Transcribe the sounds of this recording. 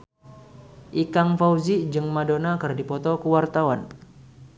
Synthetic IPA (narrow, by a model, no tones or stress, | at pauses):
ʔikaŋfawzid͡ʒɨŋmadonakɨrdipɔt̪ɔkəwart̪awan